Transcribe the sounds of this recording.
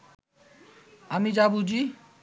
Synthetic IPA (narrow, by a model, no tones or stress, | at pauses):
amid͡ʒabud͡ʑi